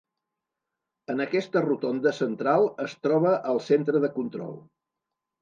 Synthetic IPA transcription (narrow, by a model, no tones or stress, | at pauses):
ənəkɛst̪ərut̪ond̪əsənt̪ɾalˠəst̪ɾɔβ̞əʔəlˠsent̪ɾəðəkunt̪ɾɔ̰lˠ